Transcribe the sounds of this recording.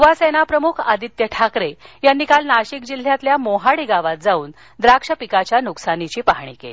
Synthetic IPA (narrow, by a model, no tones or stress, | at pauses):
ʋasenapɾəmukʰad̪it̪jəʈʰakɾejanːiːkalnaɕik̚d͡ʑil̤jat̪ljamoɦaɽiɡaʋat̪̚d͡zauːn | d̪ɾakʂəpikat͡ɕjanuksanit͡ɕiːpaɦɳ̃ḭːkḛli